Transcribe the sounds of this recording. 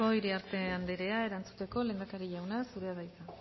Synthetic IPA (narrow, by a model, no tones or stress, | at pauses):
ojɾeaɾt̪e̞and̪eɾe̞ae̞ɾant͡su̥t̪e̞ko̞le̞ːnd̪akaɾiʎawnasuɾe̞aβajt̪a